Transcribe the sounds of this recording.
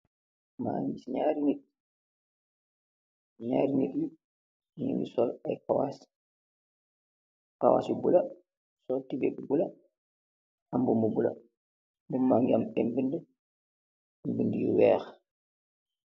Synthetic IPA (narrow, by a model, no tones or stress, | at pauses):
ma̰ːŋbisɲaːɾined̚ | ɲaːɾineɗi | ɲṵndḭsɔlajkawa̰s | ka̰wa̰ːsubula | sɔltibɛbubula | ambumubula̰ | mbumaŋɡamɛmbində | mbindijṵwɛːx